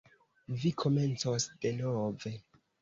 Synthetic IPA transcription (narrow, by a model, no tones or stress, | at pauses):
vikʰo̞me̞nt͡sosd̥e̞nove̞